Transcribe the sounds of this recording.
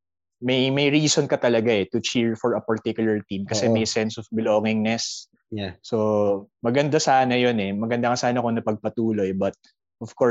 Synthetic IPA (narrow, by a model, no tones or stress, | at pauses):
mɐjmɐjɹiːsonkɐt̪ɐlɐɡaɛt̪ʊt͡ʃiɹfɔɹɐpɐɹt̪ikjʊlɐɹt̪imkɐsɛmɐjsɛnsɔfbɪloːŋɪŋnɛsː | omɐɡɐnd̪asaːnɐjonɛmɐɡɐnd̪aŋasaːnɐkonɐpɐɡ̚pɐt̪uːlo̞ɛbɐt̪̚ | ʔɔfkɔ